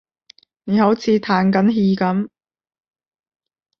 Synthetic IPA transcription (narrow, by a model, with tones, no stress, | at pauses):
ne˨˥ho˨˥wt͡sʰiː˨˧˥t̪ʰaː˨˥nkɐ˨˥nɦiː˧kɐ˨˥m